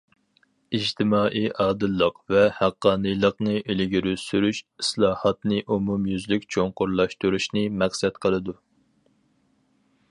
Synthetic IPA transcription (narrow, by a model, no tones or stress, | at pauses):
id͡ʒt̪ʰɪmɑːʔijʔɑːd̪ɨlˠːəqvɛhæqːɑːnɨjlˠəqnɨʔelɪɡʲiɾøsyɾyʃislˠɑːhɑt̪nɨʔumumjyzlykʲt͡ʃʰoŋqʊɾlˠɑʃt̪uɾuʃnɨmɛχsɛt̪qʰəlˠɨd̪u